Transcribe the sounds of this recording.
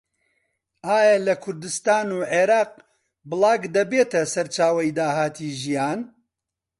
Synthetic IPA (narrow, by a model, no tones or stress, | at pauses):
aːjɐlɐkʰʊɾd̪ɨst̪aːnuːʕeːɾɑːq | bɨlˠɑːɡd̪ɐbeːt̪ɐsɐɾt͡ʃaːwɐjd̪aːhaːt̪ʰiːʒijaːn